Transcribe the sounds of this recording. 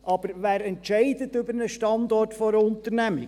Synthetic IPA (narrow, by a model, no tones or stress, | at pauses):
ʔɑb̥əɾʋæːɾɛntʃɛɪd̪əttʏbəɾnəʃtɑnd̪ɔrtfɔɾəʊnt̪əɾnæmɪ